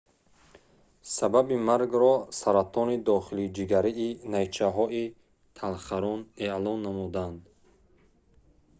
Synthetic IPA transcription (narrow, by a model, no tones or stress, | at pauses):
sababimaɾɡɾɔsaɾat̪ʰɔnid̪ɔχilid͡ʒiɡaɾiːnajt͡ʃʰaɦɔi | t̪ʰalχaɾɔneʔlɔnːamud̪and̪